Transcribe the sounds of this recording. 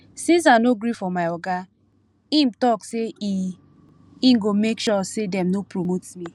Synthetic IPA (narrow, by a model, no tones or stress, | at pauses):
sĩns̬anoɡɾifɔmaɪɔɡa | ĩmtɔkse | ĩmɡomekʃɔsedɛ̃mnopɹomotmi